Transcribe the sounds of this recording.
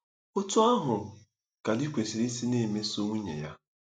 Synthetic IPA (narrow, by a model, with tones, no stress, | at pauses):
o˦tʊ˦a˦ɦʊ˨ | ka˨di˦kʷe˨si˨ɾi˦si˦ne˦˨me˦so˦ŋʷu˦ɲḛ˨ja˦